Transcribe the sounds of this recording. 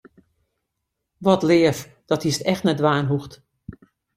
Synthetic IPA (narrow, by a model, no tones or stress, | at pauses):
ʋɔtlɪːəf | d̥ɔthistɛxtnɛdʋaːnɦuxt